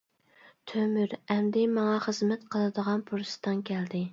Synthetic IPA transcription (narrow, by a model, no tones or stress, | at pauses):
t̪ʰømyɾɛmd̪ɪmɑŋɑχəzmɛt̪qʰəlˠɨd̪əʁɑnpʰuɾsɨ̥t̪ɨnkʲʰɛld̪ɪ